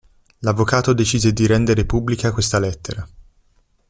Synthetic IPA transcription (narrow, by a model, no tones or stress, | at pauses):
lavːokaːt̪od̪et͡ʃiːzed̪iɾɛnd̪eɾepubːlikakwest̪alɛt̪ːeɾa